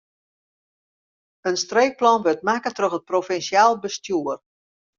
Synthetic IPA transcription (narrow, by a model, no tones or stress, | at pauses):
ənstreːk̚plɔnʋøtmakətrøxət̚profɛnsiaːlˠbəstjuər